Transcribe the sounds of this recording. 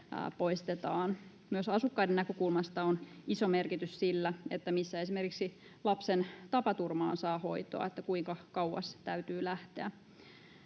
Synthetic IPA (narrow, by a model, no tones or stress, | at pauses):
poist̪et̪ɑːn | myøsɑsukːɑidenækøkulmɑst̪ɑonisomerkit̪yssilːæet̪ːæmisːæesimerkiksi | lɑpsent̪ɑpɑt̪urmɑ̰ːnsɑːho̞it̪o̰ɑ̰et̪ːækuiŋkɑkɑwwɑ̰st̪æyt̪yːlæht̪eæ